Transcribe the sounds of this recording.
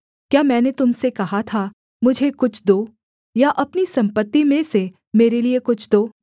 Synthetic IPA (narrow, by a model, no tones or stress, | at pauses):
kjaːmɛ̃ːnet̪ʊmsekɐɦat̪ʰa | mʊd͡ʒʱekʊt͡ʃʰd̪oː | jaʔɐpnisɐ̃mpət̪ːimẽse | meːɾeliekʊt͡ʃʰd̪oː